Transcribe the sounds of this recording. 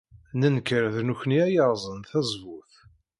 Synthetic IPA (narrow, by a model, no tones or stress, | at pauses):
nənkəɾðnuçniæjəɾˤzˤənθæzˤvʊθ